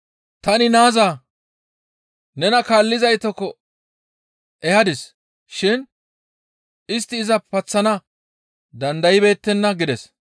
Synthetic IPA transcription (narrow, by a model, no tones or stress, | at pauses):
t̪ɐnɪnaːzaː | nɛnɐkaːlːɪzɐjt̪ɔkːɔ | ɛhɐd̪ɪs | ʃɪn | ɪs̬t̪ːɪːzɐpɐt͡sːɐnɐ | d̪ɐnd̪ɐjɪbe̞ːt̪ːɛnːɐɡɪd̪ɛs